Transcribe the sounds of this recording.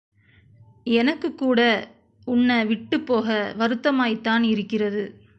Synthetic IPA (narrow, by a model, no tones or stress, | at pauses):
ɛnɐkːɯkːuːɽɐ | ʊɳːɐʋɪʈːɯpːoːɣɐʋɐɾɯt̪ːɐmaːjt̪ːaːnɪɾɯkːɪrɐðɯ